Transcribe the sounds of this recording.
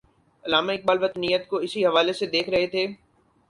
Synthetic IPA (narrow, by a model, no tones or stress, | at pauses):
ɐlaːmaɪk̚baːlʋət̪nijət̪koɪsiɦɐʋaːlesed̪eːkʰɾɐɦet̪ʰeː